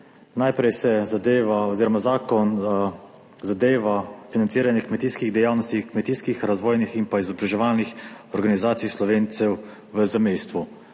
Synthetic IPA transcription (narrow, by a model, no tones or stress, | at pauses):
najpɾɛjsɛzad̪eːʋaɔziːɾɔmazaːkɔn | zad̪eːʋafinant̪siːɾanjɛkmɛt̪iːskiɣd̪ɛjaːwnɔst̪ikmɛt̪iːskixɾazʋɔːjniximpaizɔbɾaʒɛʋaːlnixɔɾɡanizaːt̪ijslɔʋeːnt̪sɛw | ʋəzɛmɛjst̪ʋu